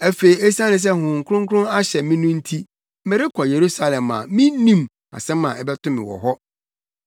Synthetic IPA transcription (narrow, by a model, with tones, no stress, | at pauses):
æ˦fe˨i˨ɛ˦sã˦nɪ̃˨s̬ɛ˦hʊ̃˨ŋ̩˨kʰʊ˦ʊ̃˦ŋ˦kʰʊ˦ɾʊ̃˦a˦ɕɛ˨mĩ˦nũ˦n̩˦tʰi˦ | mɪ̃˨ɾɪ˦kʰɔ˨je˨ɾu˦sa˦lɛ̃˨mã̰˨mĩ˦nĩ˦m | a̰˨sɛ̃˦mã̰˨ɛ˦bɛ˦tʰʊ̃˦mɪ̰̃˨wɔ̰˨ɦɔ˦